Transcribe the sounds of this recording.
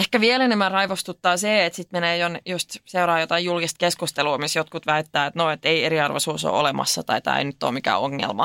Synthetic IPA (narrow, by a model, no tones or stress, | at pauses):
ehkæʋielenemːærɑiʋost̪ut̪ːɑːseːet̪sit̪meneːjonjust̪seuɾɑːjot̪ɑijjulkist̪̚keskust̪eluːmisjot̪kut̪ʋæit̪ːæːet̪noet̪ːeieɾiɑrʋosuːso̰ːʔo̰lemɑ̰sːɑt̪ɑit̪ɑ̰ːḛinyt̪ːo̰ːmikæ̰ːoŋːḛlmɑ̰